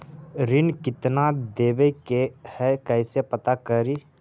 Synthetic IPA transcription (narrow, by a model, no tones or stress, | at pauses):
ɾɪnkɪt̪nad̪eːbekehɛkɛɪsepət̪akəɾiː